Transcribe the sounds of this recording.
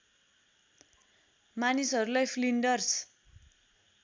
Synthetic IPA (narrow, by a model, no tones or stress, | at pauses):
manisɦʌɾulajpʰliɳɖʌrs